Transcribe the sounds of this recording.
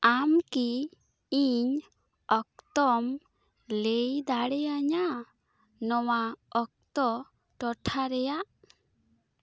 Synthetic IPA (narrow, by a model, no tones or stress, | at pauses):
amki | iɲ | ɔk̚t̪ɔm | lejd̪aɽɛaɲa | nɔwaɔk̚t̪ɔ | ʈɔʈʰaɾɛjaʔ